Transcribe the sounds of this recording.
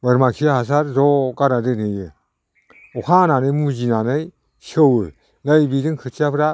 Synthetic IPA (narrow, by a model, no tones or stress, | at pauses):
bɯɾmakʰiahas̬aɾzɔɡaɾadɯnɯjɯ | ɔkʰananɯjmuzinanɯj | sɯwɯ | najbidɯŋkʰɯtʰiapʰɾa